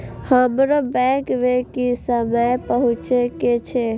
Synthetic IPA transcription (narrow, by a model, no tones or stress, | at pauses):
həmɾobɛ̃kʋekisəməjpəɦʊ̃t͡ʃeket͡ʃʰe